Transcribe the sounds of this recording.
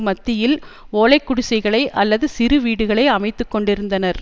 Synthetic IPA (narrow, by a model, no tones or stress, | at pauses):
mɐt̪ːɪjɪl | oːlɐɪkːʊɽʊsɐɪɣɐɭɐɪʔɐlːɐðɯsɪɾɯʋiːɽɯɣɐɭɐɪɐmɐɪt̪ːɯkːɔɳɖɪɾɯnd̪ɐnɐɾ